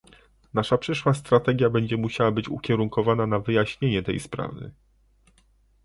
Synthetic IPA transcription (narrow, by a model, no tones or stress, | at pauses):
naʂapʂɘʂwast̪ɾat̪ɛɡʲjabɛɲd͡ʑɛmuɕawabɘt͡ɕṵkʲɛɾuŋkɔvananavɘjaɕɲeɲɛt̪ɛ̰jspɾa̰vɘ̰